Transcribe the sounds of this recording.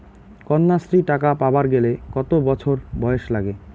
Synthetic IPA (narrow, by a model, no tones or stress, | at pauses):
kɔnːasɾiʈakapabaɾɡelekɔt̪obɔt͡ɕʰoɾbɔeʃlaɡe